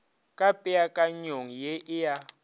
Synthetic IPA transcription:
kʼapʼɛakʼaɲoŋ̩jeʔɪja

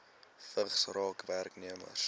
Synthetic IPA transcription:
fəχsrɑːkværkniəmə̰r

